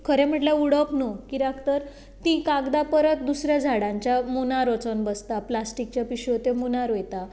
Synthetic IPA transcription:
kʰəɾẽm̤əʈljauɽəpnokiɾakt̪əɾ | t̪ĩkaɡd̪apəɾət̪̚d̪usɾjad͡zʱaɽãɲt͡ɕjamunaɾot͡sənbəst̪aplasʈik̚t͡ɕjapiɕiot̪emunaɾejt̪a

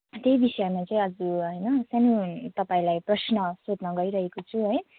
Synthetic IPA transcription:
t̪ejbisʌʌmat͡saĩʌd͡zuɦʌjnʌsanit̪ʌpãĩlajprʌsnʌsod̪nʌɡʌɾiɾʌɦekot͡sʰuɦʌj

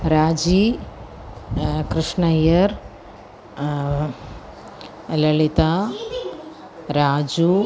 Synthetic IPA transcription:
ɾaːd͡ʒi | kɾɪʂɳɐjɐɾ | lɐɭit̪aː | ɾaːd͡ʒu

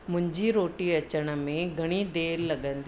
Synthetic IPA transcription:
mʊ̃ɦɪ̃ɲd͡ʑiɾoːʈiɐt͡ɕəɽ̃ə̆mẽɡʱɐɽ̃id̪eːlːɐɠə̃nd̪

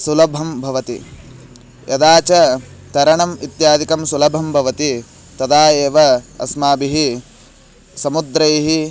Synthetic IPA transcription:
sulɐbʱɐmbʱɐʋɐt̪i | jʔɐd̪aːt͡ʃɐt̪ɐɾɐɳɐmit̪jaːd̪ʱikɐmsulɐbʱɐmbʱɐʋɐt̪i | t̪ɐd̪aːjeːʋɐɐ̰smaːbiɦi | sɐmud̪ɾɐjɦi

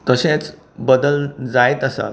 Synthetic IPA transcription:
t̪əsẽt͡s | bəd̪əld͡zajt̪əsa̰

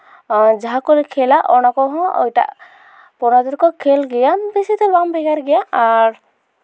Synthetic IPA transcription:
d͡ʒaɦakɔlɛkʰɛlaʔɔñakɔɦɔ̃ɔ̰jʈa̰ʔ | pɔnad̪ɔɾkɔkʰɛlɡɛjabisit̪ɛbambʱɛɡaɾɡɛjaʔaɾ

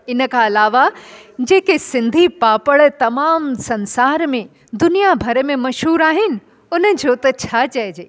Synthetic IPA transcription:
ɪnə̆kaɐlaːʋad͡ʑeːkesɪ̃nd̪ʱipaːpəɽt̪ɐmaːmsɐ̃nsaːɾmẽ | d̪ʊnijabʱɐɾmẽmɐʃɦuːɾaːɦɪnɪ̆ | ʊnəd͡ʑot̪ɐt͡ɕʰat͡ɕɐd͡ʑeː

